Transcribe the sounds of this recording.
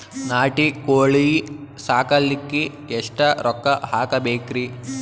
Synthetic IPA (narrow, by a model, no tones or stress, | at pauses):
naːʈikoːɭisaːkɐlːikːi | ɛʂʈɐɾʔɔkːɐɦaːkɐbeːkɾi